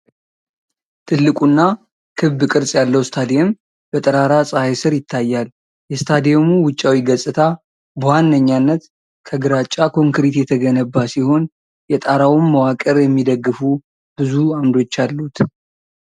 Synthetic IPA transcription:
t̪ʰɨlːɨkʼunːa | kʰɨβbkʼɨɾsʼjalːəwst̪ʰad̪iem | b̥ət̪ʼəɾaɾasʼɨhajsɨɾjɪt̪ʰːajːal | jɛst̪ʰad̪ijemuwʊt͡ʃʼːawiɡəsʼɨt̪ʰa | bwanːəɲːanːət̪ | kʰəɡɨɾat͡ʃʼakʰo̞ŋkɾit̪jɛt̪ʰəɡənəbːasiho̞n | jɛt̪ʼaɾawməwakʼəɾjɛmːid̪əɡːɨfu | b̥ɨzuamd̪o̞t͡ʃːalːut̪

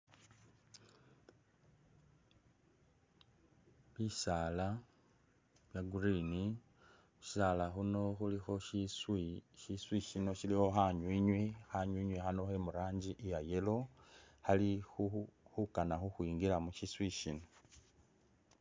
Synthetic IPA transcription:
βisaːla | βjaɡurini | muʃi̥salaxuno̞xulixo̞ʃiswiʃiswiʃino̞ʃilixo̞xaɲwiɲwexaɲwiːɲwexano̞xe̞muɾaːɲɟiʔijaje̞lo̞xalixuxukanaxuxwiːŋɡilamuʃiswiʃino̞

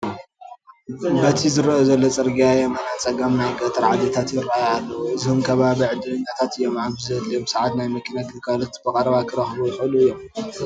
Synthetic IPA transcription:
bɐt̪ʰizɨɾʔozɐlːot͡sʼɨɾɡiajɛmɐnat͡sʼɐɡɐmnajɡʼɐt̪ʼɐɾʕad̪et̪ʰat̪jɪɾːajalːɐwuɨzhumkʰɐβaβiʕɨd̪ɨlɨɲːat̪ʰat̪ɨjːomaβzɐɨlːjomsɐʕat̪najmɐkʰinat̪ɨkʰalɨt̪bɨkʼɐɾɐβakʰɨɾɐxbujɪxluɨjːom

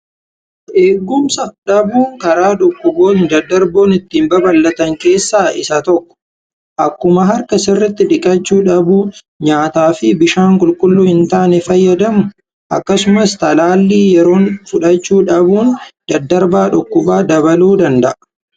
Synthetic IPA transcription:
ʔeːɡːʊmsɐᶑɐbuːŋkɐɾaːᶑʊkːʊbo̞ːnd̪ɐd̪ːɐɾbo̞ːnɪt̪ːiːmbɐbɐlːɐt̪ɐŋke̞ːsːaːɪsɐt̪ɔkːɔ̥ | ʔɐkːʊmɐɦɐɾkɐsɪrːɪt̪ːɪᶑɪkʼɐt͡ʃːuːᶑɐbuː | ɲaːt̪aːfɪbɪʃaːŋkʼʊlkʼʊlːuːhɪnt̪aːnɛfɐjːɐd̪ɐmʊ | ʔɐ̰kːɐsʊmɐst̪ɐlaːlːiːjɛɾo̞ːnfʊᶑɐt͡ʃːuːᶑɐbuːnd̪̥ɐd̪ːɐɾbaːᶑʊkːʊbaːd̪ɐβɐluːd̪ɐnd̪ɐʔɐ

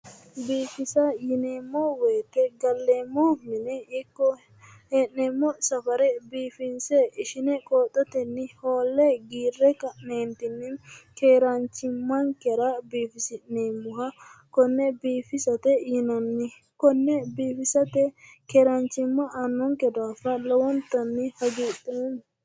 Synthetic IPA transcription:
biːfɪsɐjɪneːmːɔweːt̪ːɛɡɐlːeːmːɔmɪnɛɪkːɔ | heːʔneːmːɔsɐfɐɾɛbiːfɪnsɛʔɪʃɪnɛkʼoːt̪ʼːɔt̪ɛnːɪhoːlːɛɡiːrːɛkɐʔneːnt̪ɪnːɪkeːɾɐnt͡ʃːɪmːɐŋkɛɾɐbiːfɪsɪʔneːmːʊɦɐkɔnːɛbiːfɪsɐt̪ɛjɪnɐnːɪ | kɔnːɛbiːfɪsɐt̪ɛ | keːɾɐnt͡ʃːɪmːɐʔɐnːɔŋkɛd̪aːfɐlɔwɔnt̪ːɐnːɪhɐɡiːt̪ʼːen

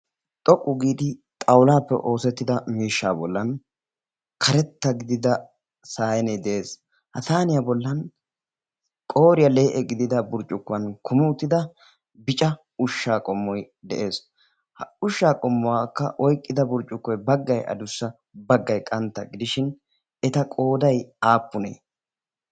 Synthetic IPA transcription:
t̪ʼɔkʼːʊɡiːd̪ɪt̪ʼɐwlaːpːɛ̰ʔo̞ːsɛt̪ːɪd̪ɐmiːʃːa̰ːbɔlːɐn | kʰɐɾɛt̪ːɐɡɪd̪ɪd̪ɐ | saːjɛnɛd̪ɛʔeːs | hɐt̪aːnɪjɐbɔlːɐn | kʼo̞ːɾɪjɐle̞ːʔɛɡɪd̪ɪd̪ɐbʊɾt͡ʃʼːʊkːʊɐnkʰʊmɪʊt̪ːɪd̪ɐ | bɪt͡ʃʼɐ | ʊʃːaːkʼɔmːɔj | d̪ɛʔe̞ːs | hʊʃːaːkʼɔmːɔwaːkːɐ̰ʔɔjkʼːɪd̪ɐbʊɾt͡ʃʼːʊkːɔjbɐɡːɐjʔɐ̰d̪ʊsːɐ | bɐɡːɐjkʼɐnt̪ːɐɡɪd̪ɪʃɪn | ɛt̪ɐkʼo̞ːd̪ɐjaːpːʊnḛː

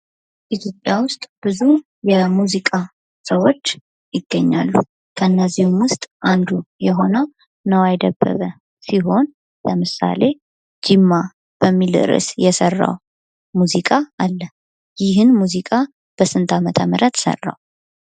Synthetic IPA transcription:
ʔit̪ʰjo̞pʼjawʊst̪ʼb̥ɨzu | jɛmuzikʼa | səwot͡ʃː | jɪɡ̥ːəɲːa̰lːu | kʰəɨnːəziwumwʊst̪ʼʔand̪ujɛɦo̞nə | nəwajd̪əbːə̰βə | siɦo̞n | ləmɨsa̰le̞ | d͡ʒɪmːa | b̥əmːilɨ̰ɾɨ̰sjɛsərːa̰w | muzikʼaalːə | jɪɦɨnmuzikʼa | b̥əsɨnt̪ʰamət̪ʰəmɨɾət̪sə̰rːa̰w

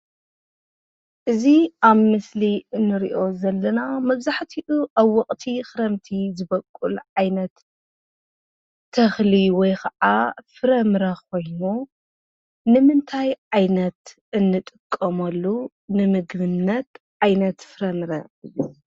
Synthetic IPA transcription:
ʔɨziʔaβmɨsliɨnːɨɾḭʔo̞zɐlːɐnamɐβzaħt̪ʰiʔuʔaβwɐkʼt̪ʰixɨɾɐmt̪ʰizɨbɐkʼːulʕajnɐt̪ | ɐxliwɔjkʰɐʔʕafɨɾɐmɾɐkʰo̞jnu | nɨmɨnt̪ʰajʕajnɐt̪ | ɨnːɨt̪ʼɨkʼːɐmɐlːu | nɨmɨɡβɨnːɐt̪ | ʕajnɐt̪fɨɾɐmɾɐ

